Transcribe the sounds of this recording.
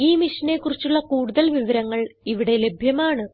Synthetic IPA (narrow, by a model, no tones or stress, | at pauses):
iːmiʂɐne̞kːurit͡ɕːuɭːɐkuːɽuðɐlʋiʋɐɾɐŋːɐɭiʋiɽe̞le̞bʱjɐmaːɳɨ